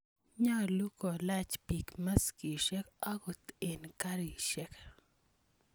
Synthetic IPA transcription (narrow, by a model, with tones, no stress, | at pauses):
ɲa˦˨lu˦kɔ˨la˦t͡ʃpi˨kma˦ski˨ʃɛ˦kɔ˦kʊ˨t̪e˨nka˦ɾi˨ʃɛ˦k